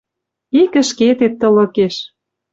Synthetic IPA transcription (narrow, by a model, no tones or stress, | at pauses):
ikə̆ʃket̪et̪ːɤ̆lɤ̆keʃ